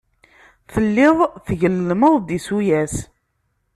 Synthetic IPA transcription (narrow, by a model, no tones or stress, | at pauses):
θəlːɪðˤθʝəlːməðˤd̪isujæs